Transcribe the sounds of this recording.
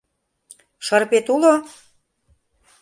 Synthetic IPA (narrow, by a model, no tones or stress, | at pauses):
ʃɤrpet̪ulo